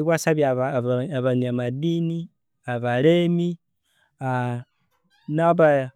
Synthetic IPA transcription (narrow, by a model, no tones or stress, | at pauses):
iβwasaβiaβaaβaniamadini | aβaɾemi | a | naβa